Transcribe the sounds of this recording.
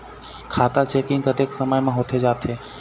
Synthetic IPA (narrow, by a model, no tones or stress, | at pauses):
kʰaːt̪at͡ʃeːkɪ̃ŋkət̪eːksəməjmãːɦoːt̪ʰed͡ʒaːt̪ʰeː